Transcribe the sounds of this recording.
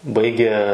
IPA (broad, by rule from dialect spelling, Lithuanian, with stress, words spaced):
ˈbɐɪɡʲeː